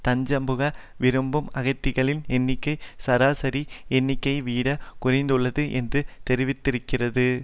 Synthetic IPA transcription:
t̪ɐɲd͡ʒɐmbɯɣɐ | ʋɪɾɯmbɯmɐɣɐɪt̪ːɪɣɐɭɪnɛnːɪkːɐɪsɐɾaːsɐɾiɛnːɪkːɐɪʋiːɽɐkʊrɐɪnd̪ɯɭːɐðɯʔɛndrɯt̪ɛɾɪʋɪt̪ːɪɾɯkːɪrɐðɯ

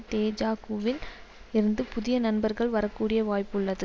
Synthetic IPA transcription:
t̪eːd͡ʒaːkuːʋɪlɪɾɯnd̪ɯpʊðɪjɐnɐnbɐɾɣɐɭʋɐɾɐkːuːɽɪjɐʋaːjpːɯɭːɐðɯ

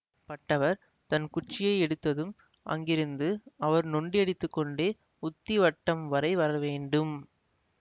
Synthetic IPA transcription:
pɐʈːɐʋɐɾ | t̪ɐnkʊt͡ʃːɪjɐɪɛɽɯt̪ːɐðɯm | ʔɐ̰ŋɡɪɾɯnd̪ɯɐʋɐɾnɔɳɖɪɐɽɪt̪ːɯkːɔɳɖeː | ʊt̪ːiʋɐʈːɐmʋɐɾɐɪʋɐɾɐʋeːɳɖɯm

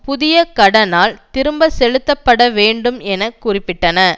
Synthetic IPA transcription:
pʊðɪjɐkɐɽɐnaːlt̪ɪɾɯmbɐsɛɻɯt̪ːɐpːɐɽɐʋeːɳɖɯmɛnɐkːʊrɪpːɪʈːɐnɐ

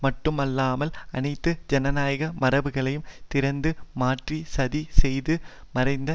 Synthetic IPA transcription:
mɐʈːɯmɐlːaːmɐlɐnɐɪt̪ːɯd͡ʒɛnɐnaːjɐɣɐmɐɾɐʋɯɣɐɭɐjɯmt̪ɪɾɐnd̪ɯmaːʈrisɐðisɛjðɯ | mɐɾɐɪnd̪ɐ

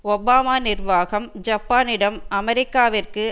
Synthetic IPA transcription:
ɔbaːmaːnɪrʋaːɣɐmd͡ʒɐpːaːnɪɽɐmɐmɛɾɪkːaːʋɪrkɯ

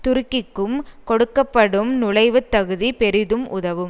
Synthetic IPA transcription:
t̪ʊɾʊkːɪkːɯmkɔɽɯkːɐpːɐɽɯmnʊlɐɪʋɯt̪ːɐɣɯðipɛɾɪðɯmʔʊðɐʋɯm

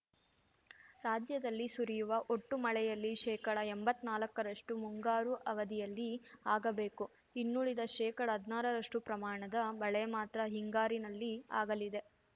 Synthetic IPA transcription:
ɾaːd͡ʒjɐd̪ɐlːisuɾijuʋɐʔo̞ʈːumɐɭɛjɐlːiʃɛːkɐɽɐembɐt̪ːnaːlɐkːɐɾɐʂʈumuŋɡaːɾuʔɐʋɐd̪ijɐlːiaːɡɐbe̞ːku | inːuɭid̪ɐʃɛːkɐɽɐɦɐd̪naːɾɐɾɐʂʈupɾɐmaːɳɐd̪ɐbɐɭɛmaːt̪ɾɐɦiŋɡaːɾinɐlːia̰ːɡɐlid̪e̞

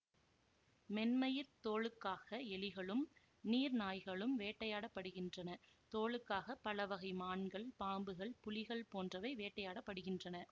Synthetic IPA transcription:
mɛnmɐjɪɾt̪oːɭɯkːaːɣɐɛlɪɣɐɭɯm | niːɾnaːjɣɐɭɯmʋeːʈːɐjaːɽɐpːɐɽɯɣɪndrɐnɐt̪oːɭɯkːaːɣɐpːɐlɐʋɐɣɐɪmaːɳɡɐɭpaːmbɯɣɐɭpʊlɪɣɐɭpoːndrɐʋɐɪʋeːʈːɐjaːɽɐpːɐɽɯɣɪndrɐnɐ

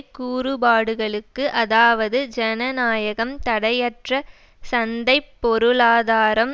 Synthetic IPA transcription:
kuːɾɯbaːɽɯɣɐɭɯkːɯʔɐðaːʋɐðɯd͡ʒɛnɐnaːjɐɣɐmt̪ɐɽɐjɐʈrɐ | sɐnd̪ɐɪpːɔɾɯɭaːðaːɾɐm

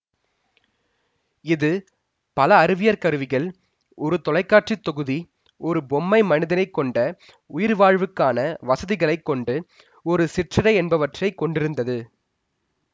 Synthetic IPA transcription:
ɪðɯ | pɐlɐːɾɯʋɪjɐɾkɐɾɯʋɪɣɐɭ | ɔɾɯt̪ɔlɐɪkːaːʈrit̪ːɔɣɯði | ɔɾɯbɔmːɐɪmɐnɪðɐnɐɪkːɔɳɖɐ | ʊjɪɾʋaːɻʋɯkːaːnɐʋɐsɐðɪɣɐɭɐɪkːɔɳɖɯ | ɔɾɯsɪʈrɐɽɐɪɛnbɐʋɐʈrɐɪkːɔɳɖɪɾɯnd̪ɐðɯ

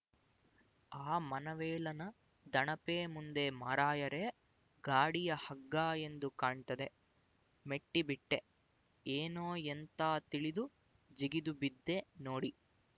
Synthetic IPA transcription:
aːmɐnɐʋɛːlɐnɐ | d̪ɐɳɐpeːmund̪emɐːɾaːjɐɾe | ɡaːɽijɐhɐɡːaːe̞nd̪ukaːɳt̪ɐd̪e̞ | meʈːibiʈːe | eːnoːent̪aːt̪iɭid̪u | d͡ʒiɡid̪ubid̪ːe̞noːɽi

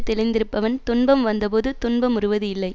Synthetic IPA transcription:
t̪ːɛlɪnd̪ɪɾɯpːɐʋɐnt̪ʊnbɐmʋɐnd̪ɐp̬oːðɯt̪ʊnbɐmʊrɯʋɐðɯɪlːɐɪ

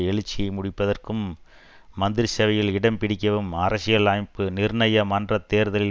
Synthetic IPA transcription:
ɛɭɯt͡ʃːɪjɐɪmʊɽɪpːɐðɐrkɯmː | ɐnd̪ɪɾsɛʋɐjɪlɪɽɐmpɪɽɪkːɐʋɯmɐɾɐsɪjɐlaːjpːɯnɪɾɳɐjɐmɐndrɐt̪ːeːɾðɐlɪ

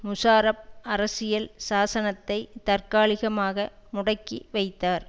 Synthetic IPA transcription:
mʊsaːɾɐp̚ɐɾɐsɪjɐlsaːsɐnɐt̪ːɐɪt̪ɐrkaːɭɪɣɐmaːɣɐmʊɽɐkːiʋɐɪt̪ːaːɾ

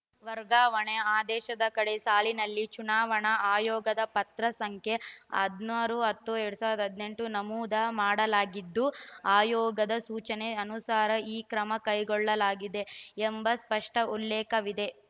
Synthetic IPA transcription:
ʋɐɾɡaːʋɐɳeaːd̪ɛːʃɐd̪ɐkɐɽe̞saːlinɐlːit͡ʃunaːʋɐɳɐaːjɔːɡɐd̪ɐpɐt̪ɾɐsɐŋkʰjeɐ̰d̪naɾuɦɐt̪ːueɾɽusaːʋɾɐɾd̪ɐɦɐd̪ne̞ɳʈunɐmuːd̪ɐmaːɽɐlaːɡid̪ːuaːjɔːɡɐd̪ɐsuːt͡ʃɐne̞ɐnusaːɾɐiːkɾɐmɐkɐjɡɔɭːɐlaːɡid̪e̞ːmbɐspɐʂʈɐulːɛːkɐʋid̪e̞

